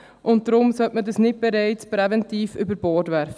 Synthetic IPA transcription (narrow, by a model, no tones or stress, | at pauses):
ʔʊnt̚dɾʊmsœtmədəsnɪt̚bɛɾɛɪt͡spɾɛvɛntiːfʏbəɾbɔːtʋæɾfə